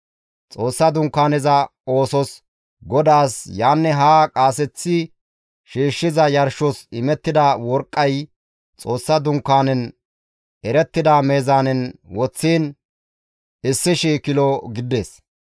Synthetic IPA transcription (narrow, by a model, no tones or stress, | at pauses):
t͡sʼo̞ːsːɐd̪ʊŋkːaːnɛzɐo̞ːsɔs | ɡɔd̪aːsjaːnːɛɦaːkʼaːsɛt͡sːɪ | ʃiːʃːɪzɐjɐɾʃɔsɪmɛt̪ːɪd̪awɔɾkʼːɐj | t͡sʼo̞ːsːɐd̪ʊŋkːaːnɛn | ɛɾɛt̪ːɪd̪aːme̞ːzaːnɛnwɔt͡sːiːn | ɪsːɪʃiːkɪlɔɡɪd̪e̞ːs